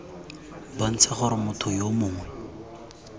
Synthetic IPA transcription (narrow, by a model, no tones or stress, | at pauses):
bən̩t͡sʰaχʊɾɪmʊtʰʊjomʊːŋwɛ